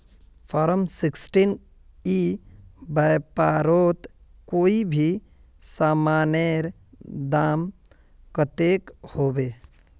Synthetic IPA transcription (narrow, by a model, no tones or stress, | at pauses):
pʰɔːɾəmsɪksʈin | i | bəjpaːɾoːt̪ | koːibʱi | saːmaːneɾ | d̪aːm | kət̪ekhoːbeː